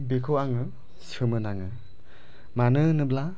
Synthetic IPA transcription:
bekʰɯwaŋɯ | sɯmɯnaŋɯ | manɯnɯbla

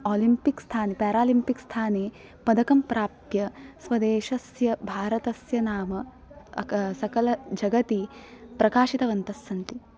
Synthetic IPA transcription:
oːlimpikst̪ʰaːnepɛːɾaːlimpikst̪ʰaːneː | pɐd̪ʱɐkɐmpɾaːp̚t̪jɐsʋɐd̪eːʃɐsjɐbʱaːɾɐt̪ɐsjɐnaːmɐ | sɐkɐlɐd͡ʒɐɡɐt̪ipɾɐkaːʃit̪ɐʋɐnt̪ɐsːɐnt̪i

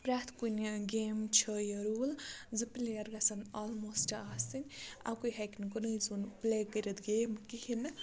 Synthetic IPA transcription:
pɾat̪ʰkunɡeːmt͡ʃʰəjɐɾuːlzɨplejɐɾɡɐsɐnɔːlmoːsʈaːsinʲa̰kujɦɐkinkunɨizunplekəɾɐd̪ɡeːmkihinɨ

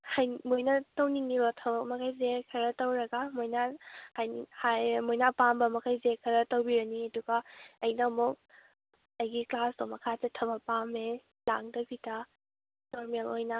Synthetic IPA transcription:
hajmojnɐtowniŋniɾɔtʰɐbɐk̚mɐkʰajzekʰɐɾɐtowɾɐɡamojnahajhajmojnapambɐmɐkʰajzekʰɐɾɐtowbiɾɐniɐduɡɐɐjnɐmɔk̚ | ɐjɡiklasdomɐkʰatetʰɐbɐpame | laŋ̚dɐbitʰɐ | noɾmelojnɐ

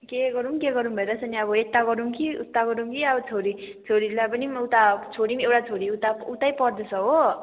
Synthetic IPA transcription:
keɡʌɾumkeɡʌɾumbʱʌeɾʌsʌniʌbʌet̪ːaɡʌɾumkiut̪ːaɡʌɾumkiʌbʌt͡sʰoɾit͡sʰoɽilapʌnimut̪at͡sʰoɽimewʈat͡sʰoɽiut̪aut̪ajpʌrd̪ʌsʰʌɦo

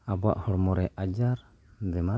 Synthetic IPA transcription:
abɔa̰ʔhɔɽmɔɾɛʔad͡ʒaɾ | d̪ɛma

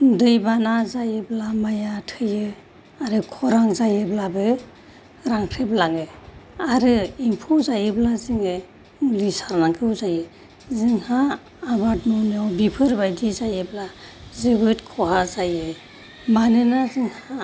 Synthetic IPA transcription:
dɯjbanazajɯblamajatʰɯjɯ | aɾɯkʰɔɾaŋzajɯblabɯ | ɾaŋkʰeplaŋɯaɾɯimpʰɔzajɯblaziŋɯ | ulisaɾnakʰɯwzajɯ | ziŋhaː | batnunɯwbipʰɯɾbajdizajɯblazewɯtkʰɔɦazajɯ | manɯnaziŋha

